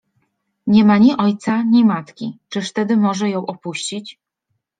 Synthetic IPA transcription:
ɲɛmaɲiʔɔjt̪saɲimat̪kʲḭt͡ʂɘʂt̪ɛd̪ɘmɔʐɛjɔ̃w̃ʔɔpuɕt͡ɕit͡ɕ

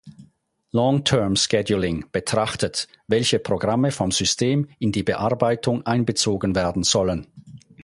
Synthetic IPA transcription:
lɔŋtʰɛɐmskɛdjulɪŋb̥ətʁ̥aχtət | vɛlçəpʁ̥oɡʁaməfɔmz̥ʏstʰeːmɪndiːbəʔaɐbaɪtʊŋʔaɪnbət͡soːɡənveːɐdn̩z̥ɔlən

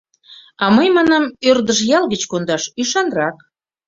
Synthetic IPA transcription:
ɑməjmɑnɑmørd̪əʃjɑlɣət͡ɕkond̪ɑʃyʃɑnrɑk

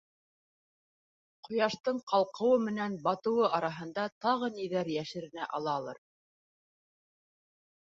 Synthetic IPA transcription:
qʰŏjɑʃt̪ɤɴqʰɑlˠqɤ̆wɤmɘ̆nænbɑt̪ɤ̆wɤʔɑɾɑɦɤ̆nd̪ɑt̪ɑʁɤniðæɾjæʃɘ̆ɾɘ̆næʔɑlˠɑːlˠɤ̰ɾ

